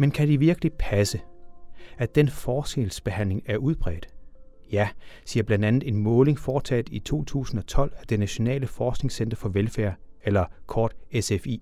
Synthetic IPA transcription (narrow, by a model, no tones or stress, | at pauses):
menkʰæd̥iʋiɐɡ̥əlipʰæsə | æd̥enfɒːsɡ̥elsb̥e̝hæn̰le̝ŋæɐʔuð̞ˠb̥ʁɛ̰ːd̥ | jæsiːɐb̥lænd̥ænð̞̩ˠe̝nmɔ̽ːle̝ŋfɒːt͡sʰɛ̰ːd̥it͡sʰo̝̰ːt͡sʰṵːsn̩ɒ̽t͡sʰɒ̽l̰æd̥e̝næɕo̝nɛ̰ːləfɒːsɡ̥ne̝ŋsend̥ɐfɒ̽ʋelfæɐ̰elɐkʰɒːd̥esefḭː